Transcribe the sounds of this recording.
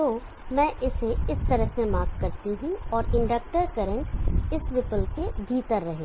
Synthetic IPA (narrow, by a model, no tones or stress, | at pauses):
t̪oː | mɛ̃ːʔɪseɪst̪ɐɾəɦsẽmaːkkːɐɾt̪iɦũɔːɾɪ̃ɳɖək̚ʈəɾkɐɾə̃ɳʈɪsʋɪpəlkebʱiːt̪əɾːɐɦeː